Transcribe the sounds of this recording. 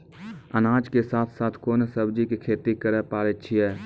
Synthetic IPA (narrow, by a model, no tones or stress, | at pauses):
ənaːd͡ʒkesaːt̪ʰsaːt̪ʰkoːnsəbd͡ʒikikʰeːt̪ikəɾəpaːɾett͡ʃʰiɦɛː